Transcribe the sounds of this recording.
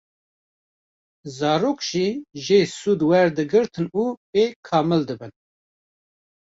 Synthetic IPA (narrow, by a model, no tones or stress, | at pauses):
zɑːɾoːkʒ̥iːʒeːsuːd̪wɛɾd̪ɨɡɨɾt̪ʰɨnuːpeːkʰɑːmɨld̪ɨbɨn